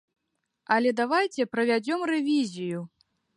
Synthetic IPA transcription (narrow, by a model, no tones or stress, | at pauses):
ɐlʲɛd̪avajt͡sʲɛpɾɐvʲad͡zʲɔmrɛvʲizʲiju